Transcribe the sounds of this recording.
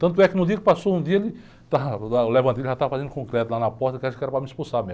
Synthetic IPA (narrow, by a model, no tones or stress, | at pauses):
t̪ɐ̃nt̪ʊɛkɪnɐ̃d̪iɐkɪ̥pasoũd̪iɐelɪ | t̪aalevɐ̃nt̪elʒat̪avɐfazẽnd̪ʊkõkɾɛt̪ʊlanɐpɔɾt̪ɐkãkɛɾɐpɾamɪispusamẽ